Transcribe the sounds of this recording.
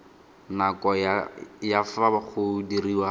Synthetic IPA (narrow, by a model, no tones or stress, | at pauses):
nakɔjafabaχʊdiriwa